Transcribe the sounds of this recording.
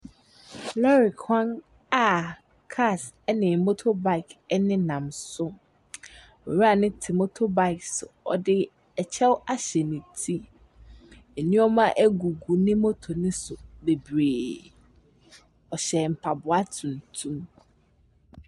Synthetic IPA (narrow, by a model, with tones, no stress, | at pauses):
lɔ˦ɾɪ˨kʰã˦n | a˨ | kʰa˦˨s | ɛ˦nɪ̃˨mo˦tʰo˦ba˨ɪ˨kɛ˦nɪ̃˦nã˨msʊ˦ | ɔ̰˨ɾu˦a˨nɪ̃˦tʰi˨mo˦tʰo˦ba˦˨ɪ˨ksʊ̰˨ɔ˨dɪ˦ | ɛ˨t͡ɕʰɛ˦wa˦ɕɛ˨nĩ˨tʰi˦ | e˨nĩ˦ɔ˦mã˦ʔæ˦ɡu˨ɡu˨nɪ̃˦mo˦tʰo˨nɪ̃˦sʊ˨be˨bɾeː˨ | ɔ˨ɕɛ˨m̩˨pʰa˨bʊ˨a˦tʰũ˨n˨tʰũ˦m